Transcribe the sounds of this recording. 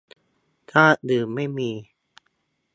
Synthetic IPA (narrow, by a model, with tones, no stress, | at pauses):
t̪ʰaː˥˩dɯː˨˩mːa˥˩jmiː˧